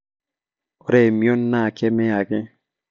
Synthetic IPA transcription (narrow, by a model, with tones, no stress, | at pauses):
o˨ɾe˨mjo˦nːa˦˨kɛ˦mɛ˦a˨ɡɪ˦